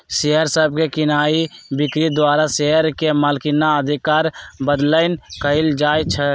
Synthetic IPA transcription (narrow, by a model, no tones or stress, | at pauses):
ʃeɦəɾsəb̚kekɪnaːibɪkɾid̪waːɾaseɦəɾkeməlkinaəd̪ʱɪkaːɾbəd̪ləɪnkəɪld͡ʒaːjt͡ʃʰə